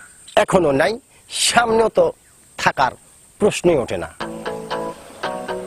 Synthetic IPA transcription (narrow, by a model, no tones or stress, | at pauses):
ɛkʰononaj | ʃamnjot̪ɔ | t̪ʰakaɾ | pɾosneoʈʰena̰